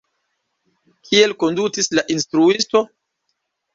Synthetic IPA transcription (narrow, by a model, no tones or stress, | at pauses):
kʰie̞lko̞ndutislaʔinstɾuisto̞